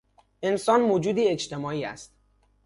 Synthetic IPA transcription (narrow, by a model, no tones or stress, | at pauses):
e̞nsɒːnmod͡ʒuːd̪iːe̞t͡ʃt̪ʰe̞mɒːiːæ̰st̪